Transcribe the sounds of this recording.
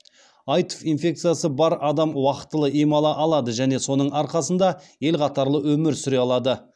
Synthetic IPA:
ɑjt̪o̥finfʲe̞k̚t̪sɨjasəbɑɾɑd̪ɑmwɑqə̥t̪ːəlˠəʔemɑlˠɑʔɑlˠɑd̪əʒæne̞so̞nəɴɑɾqɑsənd̪ɑe̞lqʰɑt̪ɑɾlˠəwɵmɪɾsʏɾe̞ɑlˠɑd̪ə

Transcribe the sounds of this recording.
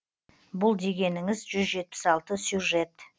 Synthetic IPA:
bʊlˠd̪e̞ɡʲe̞nɪŋɪzʒʏzʒe̞t̪̚pɪ̥sɑlˠt̪əsʲjuʐe̞t̪

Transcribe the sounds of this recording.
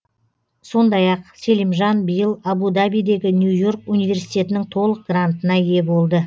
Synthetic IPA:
so̞nd̪ɑjɑqselimʒɑnbəjəlˠabud̪abijd̪e̞ɡʲɪnjujo̞rkunijve̞ɾsijt̪e̞t̪ɪnɪŋt̪ʰo̞lˠəq̚ɡ̥rant̪ənɑje̞bo̞lˠd̪ə

